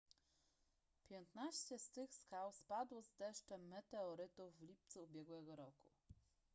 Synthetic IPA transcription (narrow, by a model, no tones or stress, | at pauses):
pʲjɛnt̪naɕt͡ɕɛst̪ɘxskawspad̪wɔzd̪ɛʂt͡ʂɛmːɛt̪ɛɔɾɘt̪uvːlʲip̚t̪suubʲjɛɡwɛɡɔɾɔku